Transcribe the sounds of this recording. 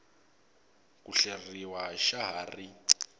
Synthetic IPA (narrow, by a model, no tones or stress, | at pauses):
kuɬeriwaʃaɦaːri